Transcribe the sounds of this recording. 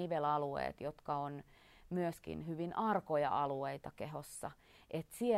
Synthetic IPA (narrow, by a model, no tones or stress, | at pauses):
iʋelɑluḛːt̪jot̪kɑon | myøskḭnhyʋinʔɑrkojɑ̰ʔɑlueit̪ɑkehosːɑ̰ | ʔet̪sie